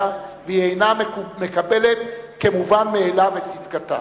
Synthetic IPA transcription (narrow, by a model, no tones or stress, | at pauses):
aveiejname̞kabe̞le̞t̪ke̞muvanmeːlavet͡sitkat̪a̰